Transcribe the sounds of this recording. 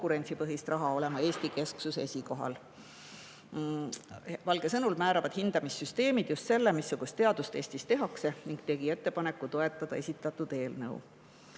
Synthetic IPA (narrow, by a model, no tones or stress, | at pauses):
kuɾe̞nʲt̪sipɤɦist̪rʔɑɦɑo̞le̞mɑe̞ːsʲt̪ike̞sksuse̞sʲiko̞ɦɑ̰l | vɑlɡ̥e̞sɤnulmæːɾɑvɑd̪̥hind̪̥ɑmisːyst̪e̞ːmid̪̥just̪se̞lːemisːuɡ̥ust̪ːe̞ɑd̪̥ust̪e̞ːst̪ist̪e̞ɦɑkse̞niŋɡ̥t̪e̞ɡ̥ie̞t̪ːe̞pɑne̞kːˑut̪o̞e̞t̪ːˑɑd̪̥ɑ̰e̞sʲit̪ːˑɑt̪ːˑud̪̥e̞ːlnɤ̰ṵ